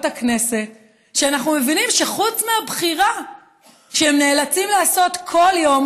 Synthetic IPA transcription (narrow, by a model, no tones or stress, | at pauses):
takne̞se̞t̚ | ʃeanaχnume̞vinimʃe̞χut͡smeabχiʁa | ʃeemne̞ːlat͡simlaːso̞t̪kʰo̞ljo̞m